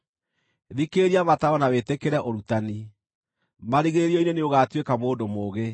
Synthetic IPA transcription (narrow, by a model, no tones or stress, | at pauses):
ðikeɾiamataɔnawetekeɾɛʔoɾutani | maɾiɣeɾiɔineneoɣatwekamoːndomoːɣe